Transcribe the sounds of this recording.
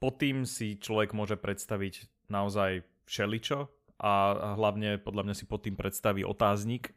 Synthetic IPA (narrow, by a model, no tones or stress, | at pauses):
pɔt̪iːmsit͡ʃlɔʋɛɡmʊɔʒɛpɾʔɛt̪st̪aʋiɟ | naɔzaj | fʃɛlit͡ʃɔ | ʔaɦlaʊɲɛpɔd̪ʎamɲasipɔt̪iːmpɾɛt̪st̪aʋiːʔɔ̰t̪aːzɲik